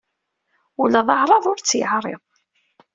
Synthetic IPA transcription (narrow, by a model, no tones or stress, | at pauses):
ulæðˤɑʕɾˤɑðˤʊɾt͡sːjəʕɾˤɪ̰ðˤ